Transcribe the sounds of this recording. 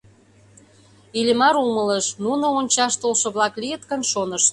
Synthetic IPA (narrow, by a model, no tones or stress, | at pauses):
ilʲemɑɾumələʃnunoonʲt͡ɕɑʃt̪olʃɤ̆βlɑklijət̪kənʃonəʃ